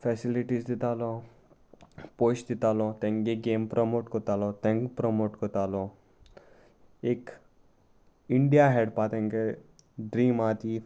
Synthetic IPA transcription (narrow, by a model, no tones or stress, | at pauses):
fʰɛsiliʈizd̪ɪt̪aːlo | poːt͡ʃd̪ɪt̪aːlot̪ɛ̃ŋɡeɡeːmpɾʔɔmoːʈkɔt̪aːlot̪ɛ̃ŋɡpɾɔmoːʈkɔt̪aːlo | eːk | ɪɳɖijaɦɛɖpaːt̪ɛ̃ŋɡe | ɖɾiːmaːt̪i